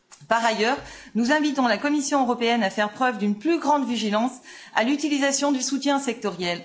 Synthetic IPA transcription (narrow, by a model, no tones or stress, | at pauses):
paʁajœːʁnuzɛ̃vit̪ɔ̃lakɔmisjɔ̃øʁɔpeɛnafɛʁpχœvd̪ynplyɡʁɑ̃d̪viʒilɑ̃sa̰lyt̪ilizasjɔ̃d̪ysut̪jɛ̃sɛk̚t̪ɔʁjɛl